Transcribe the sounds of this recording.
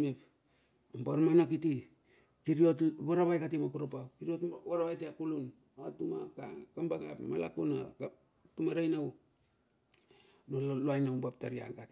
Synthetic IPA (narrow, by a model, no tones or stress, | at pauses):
mep | ampaɾmanakiti | kiɾiotβaɾaβajkatimakuɾopakiɾiotwaɾaβajteakulun | atuma̰ka̰kambaɡa̰pma̰la̰kuna̰ | tumaɾajnaw | noloajnawmbap̚taɾia̰nkat